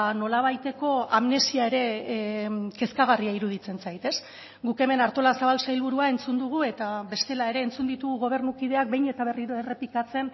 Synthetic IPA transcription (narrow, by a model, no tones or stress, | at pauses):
no̞laβ̞ajt̪e̞ko̞amne̞siae̞ɾe̞ | ke̞skaɣ̞ariaiɾuð̞it͡se̞nt͡sajt̪e̞s | ɡuke̞me̞naɾt̪o̞lasaβalsajlβuɾuae̞nt͡sund̪uɣ̞ue̞t̪aβe̞st̪e̞lae̞ɾe̞ːnt͡sund̪it̪uɣ̞uɣo̞β̞e̞ɾnukið̞e̞ak̚be̞jɲe̞t̪aβ̞eriɾo̞e̞re̞pikat͡se̞n